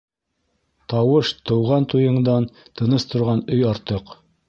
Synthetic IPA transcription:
t̪ɑwɤʃt̪ɤ̆wʁɑnt̪ujɤ̆ɴd̪ɑnt̪ɤ̆nɤst̪ŏɾʁɑnɵjɑɾt̪ɤq

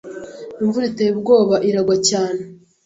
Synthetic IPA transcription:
iɱvuɾitebɡo̞ːβaʔiɾaɡwacaːne

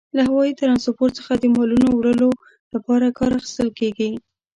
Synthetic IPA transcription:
laɦawɑjit̪aɾɑnsopoɾt͡səxad̪əmɑlunowɽəlo | lapɑɾakɑɾaxi̥st̪əlkeɡi

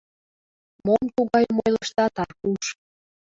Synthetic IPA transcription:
momt̪uɣɑjmojləʃt̪ɑt̪ɑrkuʃ

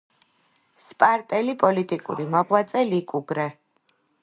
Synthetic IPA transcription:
spʼaɾt̪ʼɛlipʼɔlit̪ʼikʼṵɾimɔʁwat̪sʼɛlikʼuɡɾɛ

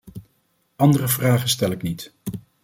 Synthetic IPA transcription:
ɑndərəvraːχəstɛlɪknit

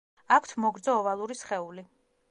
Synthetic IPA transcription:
akʷʰt̪ʰmɔɡɾd̪zɔːvalˠuɾisχɛuli

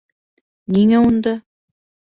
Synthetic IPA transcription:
niŋæund̪ɤ

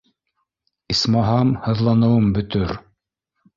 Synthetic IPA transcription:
ismɑɦɑmhɤ̆ðlˠɑnɤ̆wɤmbɵ̆t̪ɵɾ

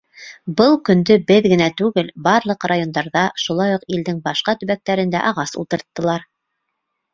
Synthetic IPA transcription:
bɤlˠkɵ̆nd̪ɵbɘðɡɘ̆næt̪ʉɡɘlbɑɾlˠɤqrajo̞nd̪ɑɾðɑʃulˠɑjuqild̪ɘŋbɑʃqɑt̪ɵ̆βæk̚t̪æɾɘ̆nd̪æ̰ʔɑʁɑsṵlˠt̪ɤ̆ɾt̪ːɤ̆lˠɑɾ

